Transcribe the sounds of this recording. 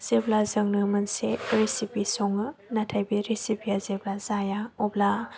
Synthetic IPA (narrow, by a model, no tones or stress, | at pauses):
z̥eblazəŋnɯmɯnseɾisipisɔŋɯnatʰajbiɾisipijazeblazajaɔbla